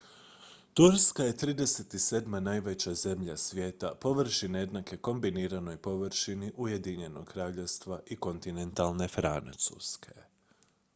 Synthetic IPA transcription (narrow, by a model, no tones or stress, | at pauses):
t̪uɾskaje̞t̪ɾiːd̪e̞set̪ise̞ːd̪manajʋe̞t͡ɕaze̞mʎasʋje̞ːt̪apo̞ʋr̩ʃined̪nake̞ko̞mbiniːɾano̞jpo̞ʋr̩ʃiniʔujed̪iɲe̞noɡkɾaːʎeʋst̪ʋaʔiko̞nt̪ine̞nt̪alˠne̞fɾa̰nt̪sṵskʰe̞̥